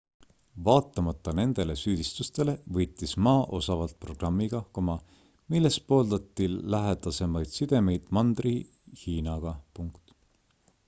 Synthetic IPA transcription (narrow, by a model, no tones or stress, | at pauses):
vɑːt̪ːˑɑmɑt̪ːˑɑne̞nd̪̥e̞le̞syːd̪̥ist̪ust̪e̞le̞vɤjt̪ːˑismɑːʔo̞sɑvɑlt̪̚pro̞ɡ̥rɑmːiɡ̥ɑkomɑ | milːe̞spo̞ːld̪̥ɑt̪ːilæɦed̪ɑse̞mɑjd̪̥syd̪̥e̞me̞jd̪̥mɑnd̪ri | hiːnɑɡ̥ɑpuŋkt̪